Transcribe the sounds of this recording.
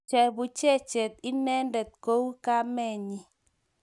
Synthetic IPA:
t͡ʃɛ˨bu˨t͡ʃɛ˦t͡ʃɛ˨t̪̚i˦nɛ˦ndɛ˨t̪̚ko˦wka˦mɛ˦˨ɲi˨

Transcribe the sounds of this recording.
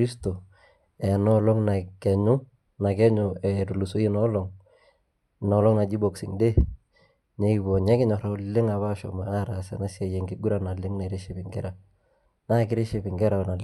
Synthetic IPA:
i˦sto˨ | ɛ˨nɔ˦lɔ˦ŋna˨kɛ˨ɲʊ˦ | na˨kɛ˦ɲʊ˨ɛ˨tu˨lu˨so˦i˦nɔ˦lɔ˨ŋ | nɔ˨lɔ˦ŋna˨d͡ʒi˦bɔ˨ksɪ̰˨ŋde˦ | ɲɛ˦ki˨bɔ˨ɲɛ˦kɪ˦ɲɔ˨ɾa˦lɪ˦ŋa˨βa˦ʃɔ̰˨ma˨a˦ɾa˨sɛ̰˨na˦sa˨jɛ˨ŋɡɪ˨ɡu˦ɾa˨na˨lɪ˦ŋna˨ɾe˦ʃɪ˦pɪ˨ŋɡɛ˦ɾa˨ | na˦kɪ˦ɾɪ˦ʃi˦˨pɪ˨ŋɡɛ˦ɾa˨na˨l

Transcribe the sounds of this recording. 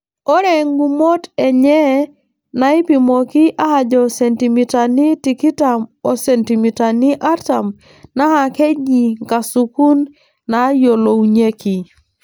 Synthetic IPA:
ɔ˦ɾe˨ŋɡu˨mo˦tɛ˨ɲɛ˦ | na˨i˦pi˨mo˨ki˦ʔa˦ha˨d͡ʒɔ˨se˨ntimi˨ta˨ni˦ti˨ki˦ta˨mɔ˨se˨nti˨mi˨ta˨ni˦ʔa˦ta˨m | na˦ha˨ke˦d͡ʒi˨ŋka˨su˨ku˦nː | a˨˦jo˨lo˨u˨ɲe˦ki˨

